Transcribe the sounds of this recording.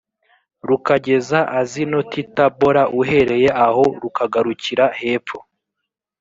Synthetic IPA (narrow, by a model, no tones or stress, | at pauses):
ɾukaɟe̞zaʔazino̞titabo̞ɾaʔuɦe̞ɾe̞je̞ʔaho̞ɾukaɡaɾuciɾahe̞ːp͡fo